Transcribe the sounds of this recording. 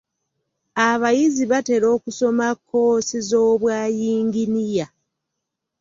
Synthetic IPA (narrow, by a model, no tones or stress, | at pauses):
aβajiziβate̞ɾo̞ːkuso̞makʰːo̞ːsizo̞ːβwaːjiːŋɡinija